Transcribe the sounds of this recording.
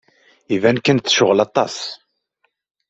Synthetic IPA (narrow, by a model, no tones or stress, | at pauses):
ivænkənθʃʊʁlɑt̪ˤːɑ̰s